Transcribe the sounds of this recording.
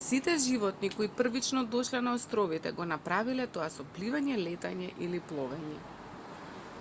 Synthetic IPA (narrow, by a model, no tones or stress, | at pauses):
sit̪ɛʒivɔt̪nikoipr̩vit͡ʃnɔd̪ɔʃlɛnaɔst̪ɾɔvit̪ɛ̰ɡɔnapɾavilɛt̪ɔasɔplivaɲɛlɛt̪aɲɛʔiliplˠɔvɛɲɛ